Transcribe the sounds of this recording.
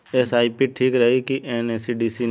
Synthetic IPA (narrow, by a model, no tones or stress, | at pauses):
esaːipiʈʰiːkɾɐɦikiʔeneːsiɖiːsin